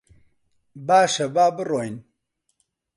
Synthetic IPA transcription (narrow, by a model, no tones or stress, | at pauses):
baːʃɐbaːbɨroːjn